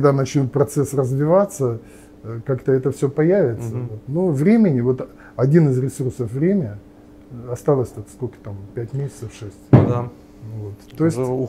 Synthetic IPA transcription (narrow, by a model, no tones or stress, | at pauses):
ɡd̪anət͡ɕnʲut̪̚pɾɐt̪sɛsrəzvʲɪvat̪sːə | kakt̪əɛt̪əfsʲɵpɐjævʲɪt̪səvot̪nuvɾʲemʲɪnʲɪvo̞t̪ | ɐdʲinɨzɾʲɪsursəfvɾʲemʲə | ɐst̪alˠəsʲt̪ot̪skokə̥t̪ampʲætʲmʲesʲɪ̥t̪səfʂɛsʲtʲd̪a | vo̞t̪t̪ːojɪsʲ